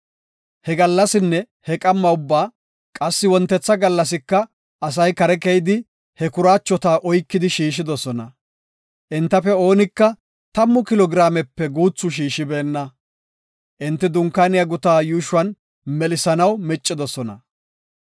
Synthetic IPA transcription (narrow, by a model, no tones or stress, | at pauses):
hɛɡɐlːɐsɪnːɛ | hɛkʼɐmːɐʊbːaː | kʼɐsːɪwɔnt̪ːɛt͡sːɐɡɐlːɐs̬ɪkːɐ | ɐs̬ɐjkɐɾɛkɛjɪd̪ɪ | hɛkʊɾaːt͡ʃːɔt̪aːʔɔjkːɪd̪ɪʃiːʃ̬ɪd̪ɔsɔnɐ | ʔɪnt̪ːɐfɛo̞ːnɪkːɐ | t̪ɐmːʊkɪlɔɡɾaːmɛpːɛɡuːt͡sːʊʃ̬iːʃɪbe̞ːnːɐ | ʔɪnt̪ːɪd̪ʊŋkːaːnɪjɐɡʊt̪aːjuːʃʊɐn | mɛlɪsɐnɐwmɛt͡ʃʼːɪd̪ɔsɔnɐ̰